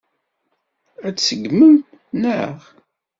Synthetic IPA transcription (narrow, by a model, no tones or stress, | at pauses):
æt͡ssəɡməm | nəʁ